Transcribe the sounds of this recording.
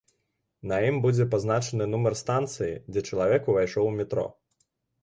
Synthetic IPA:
nɐjimbud͡zʲɛp̬aznat͡ʂɐnɨnumɐrst̪ant̪sɨjḭd͡zʲɛt͡ʂɐlˠavʲɛkuvajʂɔwmʲɛt̪ɾɔ̰

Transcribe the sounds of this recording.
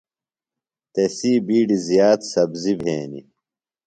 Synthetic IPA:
t̪esiːbiːɖizijaːt̪sɐbzibʱḛːnḭ

